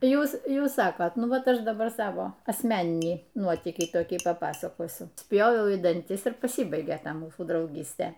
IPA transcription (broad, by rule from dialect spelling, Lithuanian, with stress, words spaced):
ˈjuːs ˈjuːs ˈsɑːkoːtʲɛ ˈnʊ ˈʋɐt ˈɐʃ dɐˈbɐr ˈsɑːʋoː ɐsʲˈmʲæːnʲɪnʲiː ˈnuɔtʲiːkʲiː toːˈkʲiː pɐˈpɑːsɐkoːsʲʊ ˈsʲpʲjoːʋʲɛʊ iː dɐnʲˈtʲɪs ɪr pɐˈsʲiːbɐɪɡʲeː ˈtɐ ˈmuːsuː drɐʊˈɡʲiːsʲtʲeː